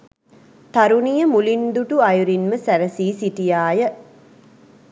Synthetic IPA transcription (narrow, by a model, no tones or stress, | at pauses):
t̪ɐɾunijɐmulind̪uʈuɐjuɾinməsæɾɐsiːsiʈijaːjə